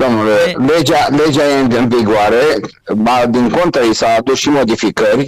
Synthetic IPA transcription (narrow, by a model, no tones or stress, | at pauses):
d̪o̞mnuleled͡ʒale̞d͡ʒajeɨnviɡoaɾe | ad̪iŋko̞nt̪aisaːd̪usʃimo̞d̪ifikərʲ